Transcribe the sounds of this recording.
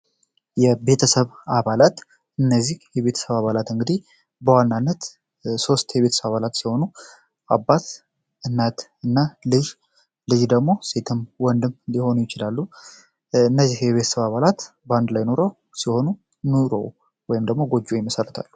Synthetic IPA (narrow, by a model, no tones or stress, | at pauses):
jɛbe̞t̪ʰəsəβaβalat̪ | ɨnːəzːihjɛβe̞t̪ʰə̥səβaβalat̪ɨŋɡɨd̪ih | bəwanːanːət̪ | so̞st̪jɛβe̞t̪ʰə̥səβaβalat̪siho̞nu | ʔabːat̪ | ʔɨnːat̪ɨnːalɨʒ | lɨʒd̪əɡmo̞se̞t̪ʰɨmwɔnd̪ɨmliho̞nujɪt͡ʃɪlalːu | ɨnːəzːihjɛβe̞t̪ʰə̥səβaβalat̪bəand̪lajno̞ɾow | siho̞nu | nuɾo̰w | wɔjɪmd̪əɡmo̞ɡo̞d͡ʒujɪməsərːət̪ʰa̰lːu